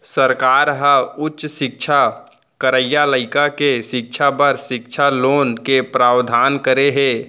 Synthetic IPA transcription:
səɾkaːɾɦəʊtːʃsɪk̚t͡ʃʰa | kəɾəjaləɪkakeʃɪk̚t͡ʃʰapəɾsɪk̚t͡ʃʰaloːnkepɾaːwd̪ʱaːnkəɾeɦe

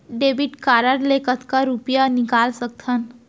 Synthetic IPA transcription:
ɖebiʈkaɾaɾlekət̪kaɾupjanikalsək̚t̪ʰan

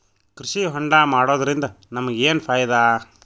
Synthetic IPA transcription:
kɾiʃiɦɔɳɖaːmaːɽoːd̪ɐɾind̪ɐ | nɐmɐɡeːnpʰaːjɐd̪aː

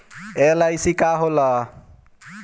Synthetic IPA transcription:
elajsikaɦolʌ

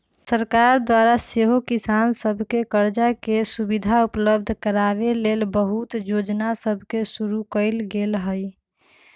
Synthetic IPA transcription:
səɾkaɾd̪waɾaseɦokisansəbʱkekəɾd͡ʒakesubid̪ʱaupləb̚d̪ʱkəɾabelelbəɦut̪jod͡ʒnasəbʱkesuɾukəɪlɡelɦəj

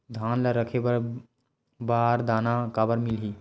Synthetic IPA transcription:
d̪ʱanləɾəkʰebəɾ | baɾd̪anakabəɾmilɦi

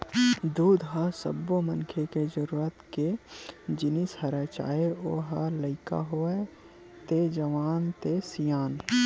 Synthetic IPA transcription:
d̪uːd̪ɦasə̰bːomənkʰeked͡ʒəɾuːɾət̪ked͡ʒɪnishəɾət͡ʃa̰ːeoːɦaləɪka̰ɦoe | t̪ed͡ʒəʋaːnt̪esijaːn

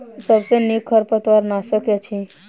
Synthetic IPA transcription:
səbsenekʰːəɾpət̪ʋaɾnaʃəkjat͡ʃʰi

